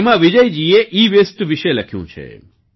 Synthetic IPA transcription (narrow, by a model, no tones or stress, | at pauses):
mãʋid͡ʒəjd͡ʒieʔiʋesʈʋɪʃeləkʰjṵ̃t͡ʃʰḛ